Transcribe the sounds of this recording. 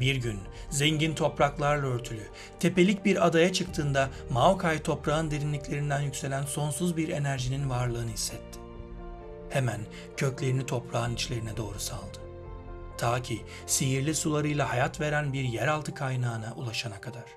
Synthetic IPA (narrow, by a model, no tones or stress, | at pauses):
biɾɟyn | zeɲɟint̪ʰo̞pɾaklˠaɾlˠaøɾt̪ʰylʲy | t̪ʰe̞pe̞lʲic̚biɾad̪ajat͡ʃʰɯkt̪ʰɯːnd̪amaokʰajt̪ʰo̞pɾaɯnd̪e̞ɾinlʲiclʲe̞ɾind̪ænjycʲse̞lʲænso̞nsuzbiɾe̞næɾʒininvaɾlˠɯːnɯhisːɛt̪ʰːɪ̥ | he̞mæn | cʰø̞clʲe̞ɾinit̪ʰo̞pɾaːɯnit͡ʃlʲe̞ɾinɛd̪o̞ːɾusa̰lˠd̪ɯ̥ | t̪ʰaːcʰiː | sejiɾlʲisulˠaɾɯjlˠahajat̪ve̞ɾænbiɾjæɾalˠt̪ʰɯkʰajnaːnaʔulˠaʃanakʰad̪aɾ̥